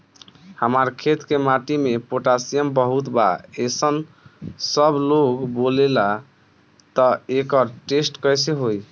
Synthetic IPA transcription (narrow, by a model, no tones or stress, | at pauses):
həmaɾkʰet̪kemaʈimepoʈasijəmbəɦut̪ba̰esən | səbloɡbolela | t̪ɔekəɾʈesʈkəjseɦoj